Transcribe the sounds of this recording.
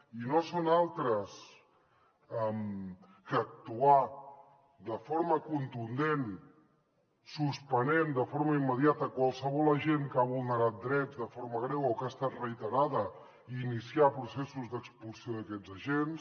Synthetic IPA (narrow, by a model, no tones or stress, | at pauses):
inosonalˠt̪ɾəs | ɛm | kəːk̚t̪ua | d̪əfoɾməkunt̪und̪en | suspənend̪əfoɾməimːəðiat̪əkwalˠsəβ̞ɔləʒenkaβulˠnəɾat̪̚d̪ɾɛzd̪əfoɾməɣ̞ɾɛwokast̪at̪rəit̪əɾaðə | inisiapɾusesuzd̪əkspulˠsioðəkɛd͡zəʒens